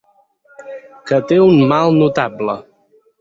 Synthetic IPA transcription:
kət̪eunmalˠnut̪ablə

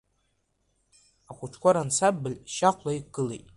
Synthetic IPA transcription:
akʷʰʼʊʈ͡ʂʰkʷaɾant͡sʰabbːɨlʃaqʷlaikɡ̥ɨlejtʼ

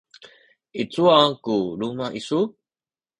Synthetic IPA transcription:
it͡suakulumaʔisu

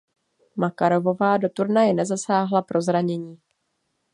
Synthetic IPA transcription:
makaɾo̞vo̞vaːdo̞t̪uɾnajɛnɛzasaːɦlapɾo̞zɾaɲɛɲiː

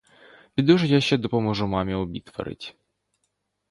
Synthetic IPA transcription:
pʲid̪uʒɛjaʃt͡ʃɛd̪ɔpɔmɔʒʊmɑmʲiɔbʲit̪ʋɐ̰ɾɪ̰tʲ

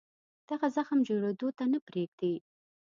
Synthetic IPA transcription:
d̪̥aɣazaxmd͡ʒoɽed̪ot̪anapɾeɡd̪e

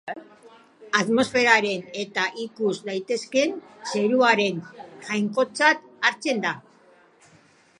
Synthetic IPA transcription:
at̪mo̞sfe̞ɾaɾe̞ne̞t̪aʔikuzd̪ajt̪e̞ske̞nse̞ɾuaɾe̞nʝajŋko̞t͡sat̪aɾt͡se̞nd̪a

